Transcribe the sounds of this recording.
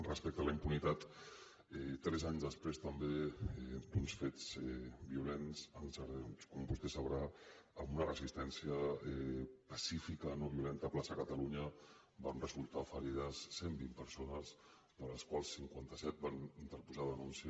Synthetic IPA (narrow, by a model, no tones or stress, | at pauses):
rəspɛk̚t̪ələimpunit̪at̪ | ɛt̪ɾɛzaɲzðəspɾest̪əmbeɛd̪unsfed͡zɛbiulenzənsəɾkɔmbust̪esəβɾaəmunərəzist̪ɛnsiəɛpəsifikənoβiulɛnt̪əplasəkət̪əluɲə | banrəzulˠt̪afəɾiðəsːembimpəɾsonəz | ðələskwalˠsːiŋkwant̪əsɛt̪̚banint̪əɾpuzaðənunsiə